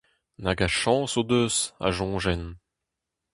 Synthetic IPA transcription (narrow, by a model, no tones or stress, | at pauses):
naɡaʃɑ̃ːsod̪øsa̰ʒɔ̃ːʒɛn